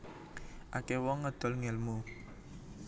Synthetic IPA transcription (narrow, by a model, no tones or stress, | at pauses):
ʔakewɔŋːəd̪̥ɔ̤lŋɛlmu